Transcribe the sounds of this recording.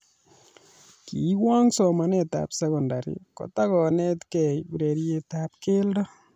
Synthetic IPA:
ki˨wa˦ŋsɔma˨nɛ˨ta̰psɛkɔ˨ndaɾḭkɔ̰˨takɔ˨nɛ˦tkɛ˨jbu˨ɾe˨ɾie˦tap̚ke˦ldɔ˦

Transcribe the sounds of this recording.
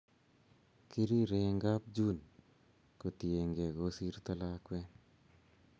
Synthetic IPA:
ki˦ɾi˦ɾe˨ŋɡa˦p̚d͡ʒu˦n | ko˨tie˨ŋɡe˨ɡo˦si˦ɾt̪a˦la˦kwɛ˦n

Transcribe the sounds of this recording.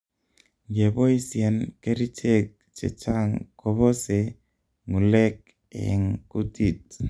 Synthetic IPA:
ɡe˨bo˦i˦sje˨nke˦ɾi˦t͡ʃe˦˨k̚t͡ʃḛ˨t͡ʃa˦ŋko˦bɔ˦se˨ | ŋu˨le˦k̚ | ɛ̰˨ŋku˦ti˦˨t̚

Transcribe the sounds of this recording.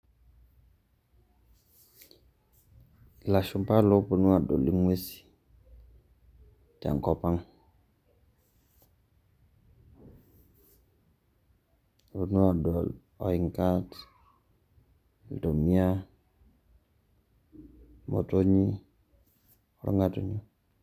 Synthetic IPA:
la˨ʃu˨mpa˦lo˦pu˨nu˦wa˨do̰˨li˨˦ŋwe˦si̥˨ | ta̰˨ŋkɔ˨pa˦ŋ | pu˨nu˦a˨do˨l | o˨i˨ŋkat | ldo˨mi˦a˦ | mo̰˨to˦ɲi˦ | ɾo̰˦ŋɡa˦to˨ɲu˦

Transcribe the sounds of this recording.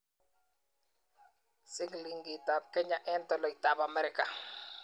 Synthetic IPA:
sɪ˦kli˨ŋɡi˨ta˨p̚kɛ˦ɲa˨ʔɛ˦ntɔ˦lɔ˨i˨ta˨ba˨mɛ˦ɾɪ˨ka˨

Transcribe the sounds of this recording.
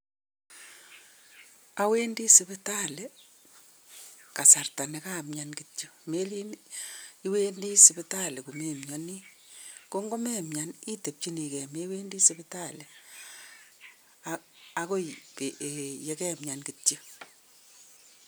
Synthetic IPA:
a˨we˦ndi˦sɪ˦bɪ˦ta˦le˦ | ka˨sa˨rta˨ne˨kaː˦mɲa˨nkitjo˦me˦li˦n | i˦we˦ndi˦sɪ˨bɪ˦ta˦le˨ku˨me˨mɲɔ˨ni˦ | ko˦ŋɡo˦mɛ˦mja˨ni˦te˨p̚t͡ʃi˦ni˨kɛ˨me˦we˦ndi˦sɪbɪta˦˨le˨ | ako˦pe˨je˦kɛ˦mɲa˨nkɪ˨tjo˦

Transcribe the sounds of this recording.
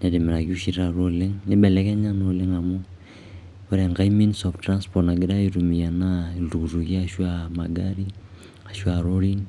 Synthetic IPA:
na˨de˨mɛ˨ɾa˨ki˦u˦ʃi˨ɾa˨ɾo˦le˦ŋnɪ˦ɓɛ˨lɛ˦kɛ˦ɲa˦no˨le˦ŋa˨mo˦ | o˦ɾɛ˨ŋɡa˦i˦mi˦nsɔ˨ftra˦nspɔna˨ɡi˦ɾa˦i˦ɾu˨mi˨ja˨na˦ilu˨ku˨ɾu˨ki˦aʃwa˦ma˨ɡaɾi˦ | a˨ʃwa˨ɾo˦ɾi˦n

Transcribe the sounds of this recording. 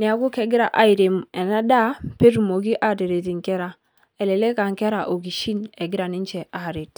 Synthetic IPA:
ni˨a˨ɡu˦kɛ˨ɡi˦ɾa˨ʔa˨˦i˨ɾe˨mɛ˨na˦da˦pe˦tu˨mo˨ɡi˦ʔa˨te˨ɾe˨ti˨ŋ˨kɛ˦ɾa˦ | ɛ˨le˨le˦ka˨ŋ˨kɛ˦ɾa˨ʔo˨ɡi˨ʃi˦ne˨ɡi˦ɾa˨ni˦n˦t͡ʃɛ˨ʔa˨ɾe˨t

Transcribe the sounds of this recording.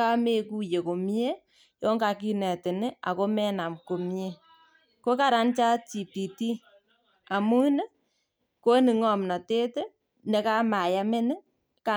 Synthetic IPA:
a˦me˨ku˦je˨ko˨m˦e˦ | jɔ˦ŋɡa˨ki˦nɛ˨tɪ˨nɪ˦a̰˨ko˦mɛ˦na˨mko˨m˦e˦ | ko˦ka˨ɾa˦nt͡ʃa˦t͡ʃi˨pi˨ti˦ | a˨mu˦ne˦ | ko˦ni˨ŋɔ˨mnɔ˨te˦te˦ | ne˨ka˦ma˨ja˦me˦nɪ˦ | ka˨

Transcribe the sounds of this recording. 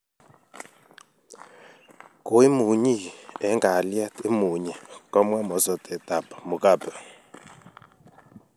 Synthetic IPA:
ko˨˦i˦mu˨ɲi˦˨ɛ˨˦ŋɡa˨li˦a˦ti˦mu˨ɲɛ˨kɔ˦mwa˦mɔ˨˦sɔ˨tɛ˨ta˨bḁ˨mu˨ka˦˨bɛ˨

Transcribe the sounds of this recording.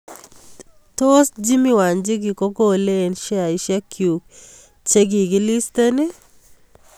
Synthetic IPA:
to˦sd͡ʒi˦mi˦wa˨nd͡ʒɪ˦ɡɪ˨ko˦ɡo˦leː˦˨nʃa˨ɪ˨ʃja˦kʰju˨k̚ | t͡ʃe˦ɡɪ˨ɡɪ˦li˦ste˦nɪ˦

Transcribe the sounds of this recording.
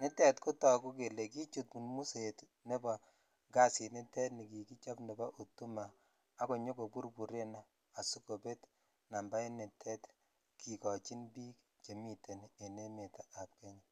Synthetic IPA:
nɪ˦tɛ˦tku˦tɔ˨ku˦k̬e˨le˨ki˦t͡ʃu˨tmu˨nmu˦set | ne˦ba˨ | ŋɡa˦si˨nɪ˦tɛ˦tni˨ki˨ki˦t͡ʃa˦pne˨bɔ˦ʔu˨tu˦maː˨˦ | ko˨ɲo˦ko˨pu˦ɾpu˨ɾe˦naː˨ | su˦ko˨pe˦t | na˨mba˦i˦ne˨tʰɛ˦t | kʰi˨kɔ˨t͡ʃi˦nbiː˦k | t͡ʃe˨mi˦te˨ne˨ne˦me˨ta˨ʔa˨p̚kɛ˦ɲa

